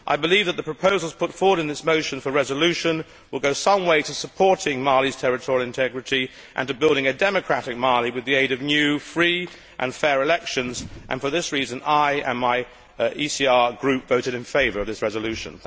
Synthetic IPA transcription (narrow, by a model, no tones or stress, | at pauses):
ʔa̰ɪbɨlivðət̪̚ðəpʰɹ̥əpʰoʊzl̩ˠz̥pʰʊtfɔɹwəɾɨ̃nðɪsmoʊʃɨ̃nfə˞ɹɛzəlʉʃɨ̃n | wəlˠɡoʊsʌ̃mweɪɾɨsəpʰɔɹɾɪ̃ŋmɑɹlˠiz̥tʰɛɹɨtʰɔɹil̩ˠɨ̃ntʰɛɡɹɨɾi | ʔɨ̰̃ntɨbɪlˠɾɪ̃ŋɨdɛmɨkʰɹ̥æɾɨk̚mɑɹlˠiwɨðieɪɾʌvnjʉfɹi | ʔɨ̰̃nfɛɹɨlɛkʃɨ̃nzʔɨ̰̃nfə˞ðɪsɹizɨ̃naɪɨ̰̃nmaɪ | isiɑɹɡɹʉpv̥oʊɾɨɾɨ̃nfeɪvə˞ʌvðɪsɹɛzəlʉʃɨ̰̃n